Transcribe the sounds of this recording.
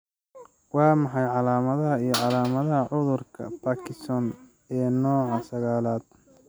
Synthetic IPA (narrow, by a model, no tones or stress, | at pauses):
wɑːmɑħɑjʕɑlaːmɐðɐɦɐijɞʕɑlaːmɐðɐɦɐʕʊðʊrkʰɐ̰pʰaːkʰɪst̪ʰɔn | ɛːnɔːʕɑsɐɣaːlaːd̪̚